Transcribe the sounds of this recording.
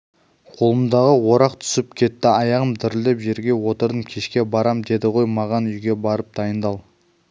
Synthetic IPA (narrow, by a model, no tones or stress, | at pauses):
qʰolˠəmd̪ɑʁəwo̞ɾɑqt̪ʰʏ̥sɪpkʲʰe̞t̪ːɪɑjɑʁəmt̪ʰɪɾɪld̪e̞pʒe̞ɾɡʲe̞wo̞t̪əɾd̪əmkʲʰe̞ʃkʲe̞bɑɾɑmd̪e̞d̪ɪʁʰo̞jmɑʁɑnʏjɡʲe̞bɑɾəp̚d̪ɑjənd̪ɑlˠ